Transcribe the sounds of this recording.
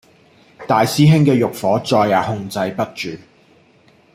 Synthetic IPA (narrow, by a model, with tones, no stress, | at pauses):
t̪aː˨jsiː˥ɦɪ˥ŋkɛː˧jʊ˨k̚fɔː˨˥t͡sɔː˧jːaː˨˩hʊ˧ŋt͡sɐ˧jpɐ˥t̚t͡ʃyː˨˩